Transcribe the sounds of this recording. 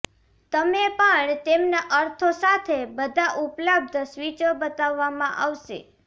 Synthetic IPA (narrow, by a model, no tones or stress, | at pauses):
t̪əmepəɳt̪emnaʔəɾt̪ʰosat̪ʰebəd̪ʱaʔupləb̚d̪ʱsʋit͡ʃəbət̪aʋːamãʔaʋʃḛ